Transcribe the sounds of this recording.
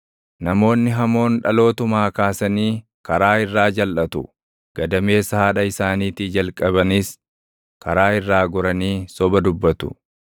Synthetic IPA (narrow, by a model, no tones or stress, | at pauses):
nɐmo̞ːnːɪɦɐmo̞ːnᶑɐlo̞ːt̪ʊmaːkaːsɐniː | kɐɾaːɪrːaːd͡ʒɐlʔɐt̪ʊ | ɡ̥ɐd̪ɐme̞ːsɐhaːᶑɐɪsaːniːt̪id͡ʒɐlkʼɐbɐnis | kɐɾaːɪrːaːɡɔɾɐniːsɔbɐd̪ʊbːɐt̪ʊ̰